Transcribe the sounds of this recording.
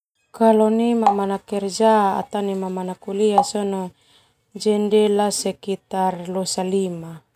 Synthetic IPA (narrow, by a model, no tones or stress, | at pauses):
kalɔnimamanakɛrd͡ʒaa̰t̪animamanakuliasɔnɔ | d͡ʒɛndɛlasɛkit̪arlosalima